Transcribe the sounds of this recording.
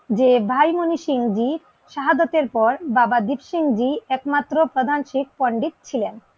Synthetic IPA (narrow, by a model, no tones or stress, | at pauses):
d͡ʑebʱajmoniʃiŋd͡ʑi | ʃaɦadot̪eɾpɔɾbabad̪ipʃiŋd͡ʑiɛkmat̪ːɾopɾod̪ʱanʃik̚ʰpoɳɖit̪̚t͡ɕʰilen